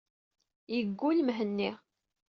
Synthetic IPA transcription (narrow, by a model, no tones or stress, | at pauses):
jəɡːulmɦənːi